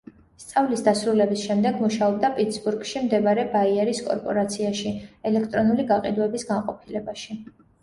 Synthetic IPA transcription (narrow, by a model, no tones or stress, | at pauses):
st̪sʼavlisd̪asɾulɛbisʃɛmd̪ɛɡmuʃaɔb̚d̪apʼit̪sbuɾɡʃimd̪ɛbaɾɛbaiɛɾiskʼɔ̰ɾpʼɔɾat̪sʰiaʃiɛlɛkʰt̪ʼɾɔnuliɡaqʼḭd̪uɛbisɡanqʼɔpʰilɛbaʃi